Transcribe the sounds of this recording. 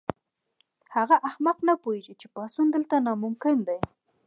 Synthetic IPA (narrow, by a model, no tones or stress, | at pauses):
haɣaʔahmaqnapoeʒit͡ʃepɑsund̪əlt̪anɑmʊmkɪnd̪aj